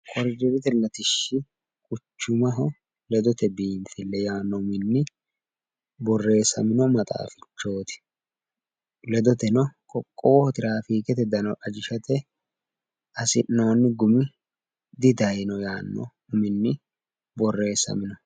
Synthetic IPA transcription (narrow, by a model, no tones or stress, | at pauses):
kʼɔɾd͡ʒɪɾɪt̪ɛlɐt̪ɪʃːɪ | kʼʊt͡ʃːʊmɐɦɔ | lɛd̪ɔt̪ɛbiːnfɪlːɛjaːnːɔʊmɪnːɪ | bɔrːe̞ːsɐmɪnɔmɐt̪ʼa̰ːfɪt͡ʃːo̞ːt̪ɪ̥ | lɛd̪ɔt̪ɛnɔkʼɔkʼːo̞ːhɔt̪ɪɾaːfiːkɛt̪ɛd̪ɐnɔʔɐd͡ʒɪʃɐt̪ɛ | ɐsɪnːo̞ːnːɪɡʊmɪ | d̪ɪd̪ɐjnɔjaːnːɔ̰ | ʊmɪnːɪ | bɔrːe̞ːsɐ̰mɪnɔ